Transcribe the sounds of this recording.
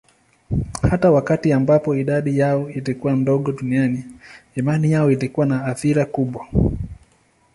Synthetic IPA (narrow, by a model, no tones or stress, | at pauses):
hatawakatiambapɔiɗaɗijaɔilikuwam̩dɔɠɔɗunianiimanijaɔilikuwanaːθiɾakuɓwa